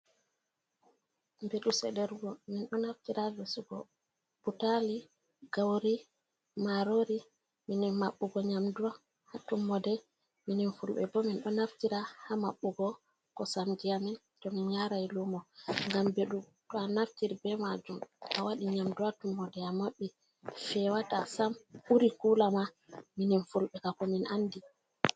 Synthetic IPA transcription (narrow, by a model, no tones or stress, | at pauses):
mbeɗusɛɗɛɾuɡɔminɗɔnaftiɾavesuɡɔ̰ | butali | ɡ̥awɾi | maɾoɾi | minɛmaɓːuɡɔɲamduwa | hatumːɔdɛ | mininfulɓɛ̰bɔminɗɔnaftiɾahamaɓːuɡɔ | kɔsamd͡ʒijamin | tɔminɲaɾajlumɔŋɡambeɗum | tɔanaftiɾibɛmad͡ʒumʔa̰waɗiɲamduwatumːɔdɛamaɓːi | fɛwatasamuɾikulama | mininfulɓɛkakɔminʔandi